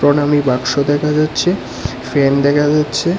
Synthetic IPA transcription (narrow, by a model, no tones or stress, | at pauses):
ɾonamibakʃod̪ɛkʰad͡ʑatːɕʰe | fend̪ɛkʰad͡ʑatːɕʰe